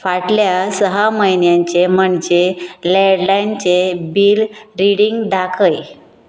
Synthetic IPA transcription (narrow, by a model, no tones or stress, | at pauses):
faʈljasəɦaməjnjaɲt͡ɕeməɳd͡ʑeleɽlajnt͡ɕebiːlɾiɽiŋɡd̪akʰəj